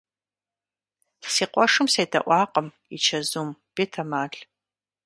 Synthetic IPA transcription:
siːqʷɔʂɨmsɐjdʰɐ̰ʔʷɑːqəm | ḭt͡ʃʰɐzuːmb̥eːtʰɐmaːɬ

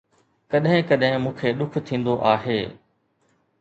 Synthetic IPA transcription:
kɐɗɦɪ̃kɐɗɦɪ̃mũːkʰeːɗʊkʰt̪ʰĩːnd̪oʔaːɦeː

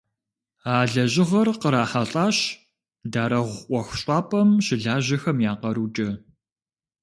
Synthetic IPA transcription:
aːɮɐʑɪʁɐrqəɾaːħɐɬʼaːɕ | daːɾɐʁʷʔʷɔxɕʼɑːpʼɐmɕɪɮaːʑɐxɐmjaːqɐɾuːt͡ʃʼɐ

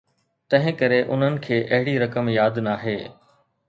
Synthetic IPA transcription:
t̪ɐ̃ɦɪ̃kɐɾeʔʊ̰n̤ənɪ̆kʰeːʔɐɦɪɽiɾɐkəmjaːd̪naːɦeː

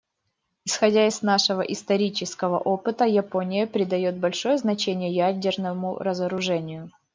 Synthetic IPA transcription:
ɪsxɐdʲaɪznaʂɨvəʔɪst̪ɐɾʲit͡ɕɪskəvə̰ʔo̞pɨt̪əjɪpo̞nʲɪjəpɾʲɪd̪ɐjot̪̚bɐlʲʂo̞jəznɐt͡ɕenʲɪjəjædʲɪrnəmʊ̰ɾəzəɾʊʐɛnʲɪjʊ

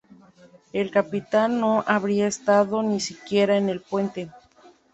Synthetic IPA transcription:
e̞lkapit̪anːo̞ʔaβɾiaest̪aðo̞nisikje̞ɾaene̞lpwe̞nt̪e̞

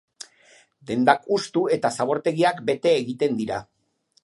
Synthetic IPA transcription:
d̪e̞nd̪akust̪ue̞t̪asaβ̞o̞ɾt̪e̞ɣiakbe̞t̪e̞ːɣit̪e̞nd̪iɾa

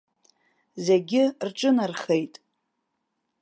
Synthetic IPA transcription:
zeɡʲɪrʈ͡ʂʼɨnarχejtʼ

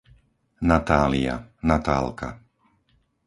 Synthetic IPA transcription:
nat̪aːlia̰nat̪a̰ːlka̰

